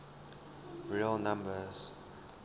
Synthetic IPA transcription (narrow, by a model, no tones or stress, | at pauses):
ɹiəlnãmbəz̥